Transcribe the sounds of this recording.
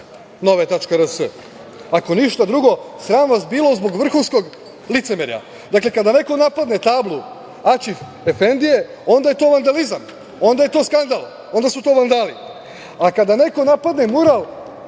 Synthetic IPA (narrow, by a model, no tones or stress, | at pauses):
no̞ʋaet̪at͡ʃkaɾəsə | ako̞niʃt̪ad̪ɾuɡo̞sɾaːmʋasbiːlˠozbo̞ɡʋr̩xunsko̞ɡ | lit̪semeɾja̰ | d̪akle̞kad̪ane̞ko̞napad̪ne̞t̪aːblˠu | at͡ʃif | efe̞nd̪ije̞ | o̞nd̪aje̞t̪o̞ːʋand̪alizam | o̞nd̪aje̞t̪o̞ːskand̪alˠ | o̞nd̪asut̪o̞ːʋand̪alḭ | akad̪ane̞ko̞napad̪ne̞muɾal